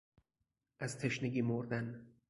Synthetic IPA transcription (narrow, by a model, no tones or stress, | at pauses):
ʔæz̥t̪ʰeʃneɡiːmoɾd̪æn